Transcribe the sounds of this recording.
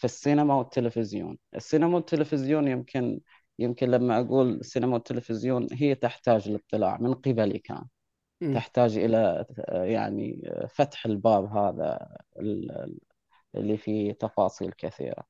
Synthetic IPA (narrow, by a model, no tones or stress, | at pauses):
fisːiːnamawɪt̪ːɪlɪfɪzjo̰ːnʔɪ̰sːiːnamawɪt̪ːɪlɪfɪzjuːnjɪmkʰɪn | jɪmkɪnlamːaʔaɡuːlsːiːnamawɪt̪ːɪlɪfɪzjoːnɦɪjːt̪ɪħt̪aːd͡ʒlɨt̪ˤːɨla̰ːʕmɪnqɪbalḭka̰ːn | t̪ɪħt̪aːd͡ʒʔɪ̰laja̰ʕnḭfat̪ħɪlbaːbɦaːða̰ɪl | ʔɪ̰lːifit̪ɑfɑːsˤḭːlkɪθḭːɾa̰